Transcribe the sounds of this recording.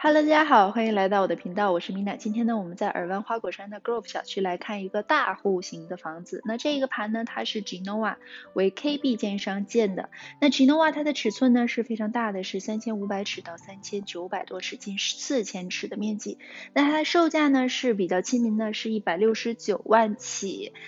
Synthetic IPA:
xɑ˨˩lo˥t̪a˥˩t͡ɕja˥xɑ˨˩ʊxwa˥i˧˩ŋla˧˥ɪt̪ɑ˥˩ʊwɔ˨˩d̪ə˥pʰi˧˥ŋt̪ɑ˥˩ʊwɔ˨˩ʂɻ̩˥˩mi˧˥na˨˩t͡ɕi˥nt̪ʰjɛ˥nd̪ə˨wɔ˨˩mə˦nt͡sa˥˩ɪʔə̰˞˨˩wa˥nxwa˥kwɔ˨˩ʂa˥nd̪ə˨ko˥˧ʊfɕjɑ˨˩ʊt͡ɕʰy˥la˧˥ɪkʰa˥˩ni˧˥ɡə˧t̪a˥˧xu˥˩ɕi˧˥ŋd̪ə˧fɑ˧˥ŋd͡zɹ̩˧na˥˧ʈ͡ʂɤ˥˩i˧˥ɡə˧˩pʰa˧˥nnə˧t̪ʰa˥ʂɻ̩˥˩ʈ͡ʂi˧˥no˧˥wa̰˨˩˦we˧˥ɪkʰe˥ɪpi˥˧t͡ɕjɛ˥˩nʂɑ˥ŋt͡ɕjɛ˥˩nd̪ə̰˩na˥˩ʈ͡ʂi˧˥no˧˥wa˨˩t̪ʰa˥d̪ə˨ʈ͡ʂʰɻ̩˨˩t͡sʰwə˥˩nnə˩ʂɻ̩˥˩˧fe˥ɪʈ͡ʂʰɑ˧˥ŋt̪a˥˩d̪ə˩ʂɻ̩˥˩sa˥nt͡ɕʰjɛ˥nu˧˥pa˧˥ɪʈ͡ʂʰɻ̩˨˩t̪ɑ˥˩ʊsa˥nt͡ɕʰjɛ˥nt͡ɕjo˧˥ʊpa˨˩ɪt̪wɔ˥ʈ͡ʂʰɻ̩˥˩t͡ɕi˥˧nʂsʰɹ̩˥˩t͡ɕʰjɛ˥nʈ͡ʂʰɻ̩˨˩d̪ə˦mjɛ˥˧nt͡ɕi˥˩na˥˩t̪ʰa˥ʂo˥˧ʊt͡ɕja˥˩nə˩ʂɻ̩˥˩pi˨˩t͡ɕjɑ˥˩ʊt͡ɕʰi˥nmi˧˥ŋd̪ə˧ʂɻ̩˥˧i˥˩pa˨˩ɪljo˥˩ʊʂɻ̩˧˥t͡ɕjo˨˩ʊwa˥˩nt͡ɕʰi˨˩˦

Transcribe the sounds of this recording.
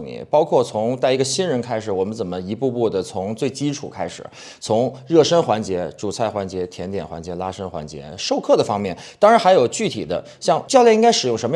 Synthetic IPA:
nḭ˨˩˦pɑ˥ʊkʰwɔ˥˩t͡sʰʊ˧˥ŋt͡sa˥˩ɪi˧˥ɡə˧ɕi˥nɻə˧˥nkʰa˥ɪʂɻ̩˨˩wɔ˨˩mə˦nt͡sə˨˩nmə˦i˧˥pu˥˧pu˥˩d̪ə˩t͡sʰʊ˧˥ŋt͡swe˥˩ɪt͡ɕi˥ʈ͡ʂʰṵ˨˩kʰa˥ɪʂɻ̩̰˨˩˦ | t͡sʰʊ˧˥ŋɻɤ˥˩ʂə˥nxwa˧˥nt͡ɕjɛ˧˥ʈ͡ʂu˨˩t͡sʰa˥˩ɪxwa˧˥nt͡ɕjɛ˧˥t̪ʰjɛ˧˥nt̪jɛ˨˩nxwa˧˥nt͡ɕjɛ˧˥la˥ʂə˥nxwa̰˧˥nt͡ɕjɛ̰˧˥ʂo˥˧ʊkʰɤ˥˩d̪ə˩fɑ˥ŋmjɛ˥˩nt̪ɑ˥ŋɻa˧˥nxa˧˥ɪjo˨˩ʊt͡ɕy˥˩t̪ʰḭ˨˩d̪ə̰˦ | ɕjɑ˥˧ŋt͡ɕjɑ˥˧ʊljɛ˥˩i˥ŋka˥ɪʂɻ̩˨˩jʊ˥˩ŋʂə˧˥mə˧

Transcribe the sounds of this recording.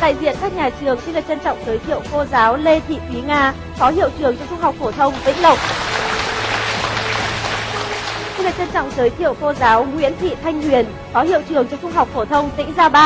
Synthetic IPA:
ɗ̪a̰ː˧˨jzḭ˧˨ənkaː˦˥k̚ɲaː˨˩t͡ɕɨ˨˩əŋt͡ɕi˧laː˨˩t͡ɕə˧nt͡ɕɔ̰˧˨wŋ͡mzəː˨˦jt̪ʰḭ˧˨əwko˧zaː˨˦wle˧t̪ʰḭ˧˨t̪wi˨˦ŋaː˧ | fɔ˨˦hḭ˧˨əwt͡ɕɨ˨˩əŋt͡ɕɔ˧ŋ͡mt͡ɕʊ˧ŋ͡mhɦwk͡p̚fo˧˩t̪ʰə˧wŋ͡mvḭ̈˧˥ŋ̟lə˨˩wk͡p̚ | t͡ɕi˧laː˨˩t͡ɕə˧nt͡ɕɔ̰˧˨wŋ͡mzəː˨˦jt̪ʰḭ˧˨əwko˧zaː˨˦wŋwḭ˧˥ənt̪ʰḭ˧˨t̪ʰa˧jŋ̟hwi˨˩ən | fɔ˨˦hi˧˨əwt͡ɕɨ˨˩əŋt͡ɕɔ˧wŋ͡msʊ˧ŋ͡mɦa˨˩wk͡p̚fo˧˩t̪ʰə˧wŋ͡mt̪ḭ˧˥ŋ̟zaː˧ɓaː˧

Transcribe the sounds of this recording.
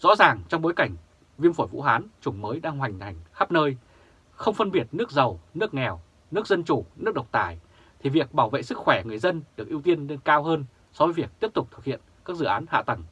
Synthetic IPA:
z̥ɔ̰˧˥zaː˨˩ŋt͡ɕɔ˧wŋ͡mɓo˨˦jka˧˩jŋ̟ | vi˧əmfo˧˩jvṵ˧˥ɦaː˨˦nt͡ɕʊ˨˩ŋ͡mməː˨˦jɗaː˧ŋɦwa˨˩jŋ̟t̪ʰa˨˩jŋ̟xaː˦˥p̚nəː˧j | xə˧wŋ͡mfə˧nɓi˨˩ət̚nɨ˦˥ək̚zə˨˩wnɨ˦˥ək̚ŋɛ˨˩w | nɨ˦˥ək̚zə˧nt͡ɕu˧˩nɨ˦˥ək̚ɗə˨˩wk͡p̚t̪aː˧˩j | t̪ʰi˨˩vi˨˩ək̚ɓaː˧˩wvḛ˧˨sɨ˦˥k̚xwɛ˧˩ŋɨ˨˩əjzə˧nɗɨ˨˩ək̚ʔi˧əwt̪i˧ənle˧nkaː˧wɦəː˧n | sɔ˨˦vəː˨˦vi˨˩ək̚t̪i˦˥əp̚t̪ʊ˨˩k͡p̚t̪ʰɨ˨˩k̚hḭ˧˨ənkaː˦˥k̚zɨ̰˧˩˨ʔaː˨˦nha̰ː˧˨t̪ə˧˩ŋ

